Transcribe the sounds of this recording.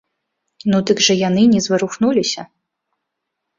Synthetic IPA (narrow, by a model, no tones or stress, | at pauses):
nud̪ɨɡʐɐjanɨnʲɛzvɨɾuxnulʲisʲɐ